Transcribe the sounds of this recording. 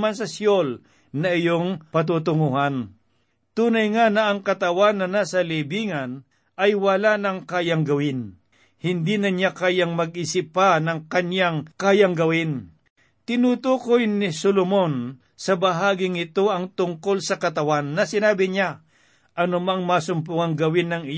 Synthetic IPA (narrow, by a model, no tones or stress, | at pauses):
mans̬ɐsjol | nɐɪjoŋpɐt̪̬ut̪̬ʊŋuhan | t̪uːnɐjŋanɐʔːŋkɐt̪ɐwanːɐnasɐlibiːŋɐn | ʔɐjwɐlanɐŋkaːjɐŋɡɐwɪn | hɪnd̪inɐɲakaːjaŋmɐɡ̚ʔisɪpːanɐŋkɐɲjaŋkaːjɐŋɡɐwɪn | t̪ɪnut̪uːkojnɪsolomon | sɐbɐɦaːɡɪŋɪt̪o̞ʔɐŋt̪ʊŋko̞lsɐkɐt̪ɐwanːɐsɪnaːbɪɲa | ʔɐnʊmaŋmaːsʊmpʊŋɐŋɡɐwɪnːɐŋɪ